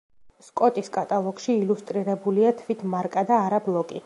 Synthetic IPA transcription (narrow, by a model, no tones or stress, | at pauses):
skʼɔt̪ʼiskʼat̪ʼalˠɔɡʃiːlust̪ʼɾiɾɛbuliat̪ʰvit̪ʰmaɾkʼad̪aːɾablˠɔkʼi